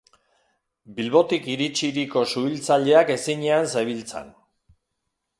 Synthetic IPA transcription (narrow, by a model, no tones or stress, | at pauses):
bilβo̞t̪ikiɾit͡ʃiɾiko̞suilt͡saʎe̞ake̞siɲeansajβilt͡sḛn